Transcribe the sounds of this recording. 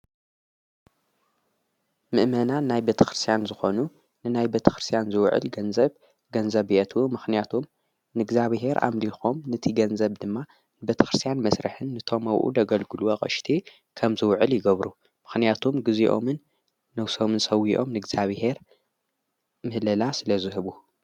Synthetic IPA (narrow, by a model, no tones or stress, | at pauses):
mɨʔmɐnanajbet̪ʰɐ̥xɾɨst̪ʰjanzɨxo̞nu | nɨnajbet̪ʰɐ̥xɾɨst̪ʰijanzɨwʕɨ̰lɡɐnzɐβ | ɡɐnzɐβiʔɐt̪ʰwumɨxnijat̪ʰom | nɨɡzaβɦe̞ɾʔa̰mlixo̞mnɨt̪ʰiɡɐnzɐβd̪ɨmːa | nɨbet̪ʰɐ̥xɾɨst̪ijanmɐsɾɐ̰ħɨnːɨt̪ʰo̞mɐwʔṵd̪ɐɡɐlɡɨluɐχʼɐ̰ʃt̪ʰi | kʰɐmzɨwʕɨljɪɡɐβɾu | mɨxnijat̪ʰomɡɨziʔo̞̰mɨnː | ɐwso̞mɨnsɐwiʔo̞̰mnɨɡz̥aβhe̞ɾ | mɨhlɐlasɨlɐzɨɦɨβu